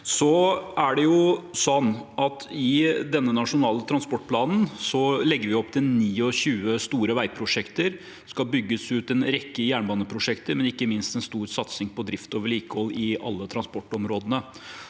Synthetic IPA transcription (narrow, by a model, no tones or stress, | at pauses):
sɔæɖɛjʊsɔnːɑt̪ɪd̪ɛnːənɑʂʊnɑːlət̪ʰɾɑnspɔʈːpʰlɑːnn̩sɔlɛɡːəɾʋɪɔpːt̪ʰɪlniːɔçʉːəst̪uːɾəʋæɪpʰɾʊʂɛkt̪əɾ | skɑbʏɡːəsʉːt̪ɛnɾɛkːəjæːɳbɑːnəpʰɾʊʂɛkt̪əɾmɛnɪkːəmɪnst̪ɛnst̪uːɾsɑt̪sɪŋpɔd̪ɾɪft̪oːʋəɭiːkəhɔlːɪʔɑ̰lːət̪ʰɾɑnspɔʈːɔmɾoːd̪ənə